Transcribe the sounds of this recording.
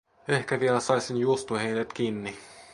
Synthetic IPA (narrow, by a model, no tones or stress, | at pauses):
ehkæʋielæsɑisinjuost̪uhejnet̪kiːnːi